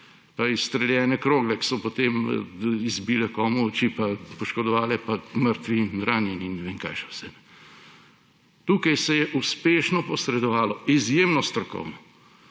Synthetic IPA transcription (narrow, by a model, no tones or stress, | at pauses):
paist̪ɾɛljɛːnɛkɾoːɡlɛki̥sɔpot̪emizbiːlɛkɔːmuɔt͡ʃipapɔʃkɔd̪ɔʋaːlɛpaməɾt̪ʋinɾaːnjɛninnɛʋeːŋka̰jʃɛwsɛnɛ | t̪uːkajsɛjɛʔuspeːʃnɔpɔsɾɛd̪ɔʋaːlɔizjemnɔst̪ɾɔkɔ̰wnɔ